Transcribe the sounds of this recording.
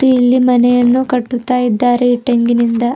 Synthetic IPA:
t̪uilːimɐnɛjɐnːukɐʈːut̪ːaːjid̪ːaːɾiʈɐŋɡinind̪ɐ

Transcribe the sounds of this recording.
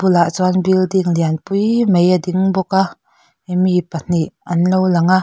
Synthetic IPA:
b̥ulaʔt͡swanbildiŋlianpujmejadiŋbɔka | mipan̥iʔɐnlowlaŋa

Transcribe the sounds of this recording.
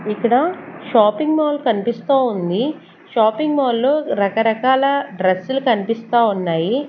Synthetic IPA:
ikːɐɽɐʃaːpiŋɡmoːlkɐnipist̪aːund̪i | ʃaːpiŋɡmoːlːoːɾɐkɐɾɐkaːlɐɖɾɐsulukɐnipist̪aːunːaːji

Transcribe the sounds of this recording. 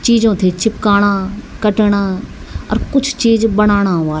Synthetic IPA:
t͡ʃiːd͡ʒõːt̪ʰeːt͡ʃɪp̚kaːɽ̃ãːkəʈəɽ̃aː | ɐ̰ɾkʊt͡ʃʰt͡ʃiːd͡ʒbəɽ̃aːɽ̃aːʋaː

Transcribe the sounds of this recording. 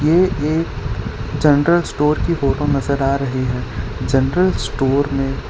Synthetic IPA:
jeːeːkd͡ʒɐnɾəlsʈoːɾkifoːʈõnɐzəɾaːɾɐɦiɦɛːd͡ʒɐnɾəlsʈoːɾmẽ

